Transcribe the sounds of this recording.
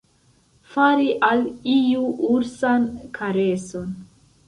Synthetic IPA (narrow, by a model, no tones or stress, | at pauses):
faɾiʔalijuuɾsankʰaɾeson